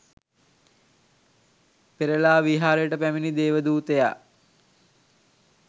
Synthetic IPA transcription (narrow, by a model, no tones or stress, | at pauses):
peɾəlaːʋiɦaːɾəjəʈəpæminid̪eːʋəd̪uːt̪eja̰